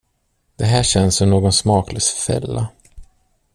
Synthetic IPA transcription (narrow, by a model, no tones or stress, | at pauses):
d̪̥ɛɦæːɕɛnːsɔmnoːɡɔnsmɑːkləsfɛ̰lːa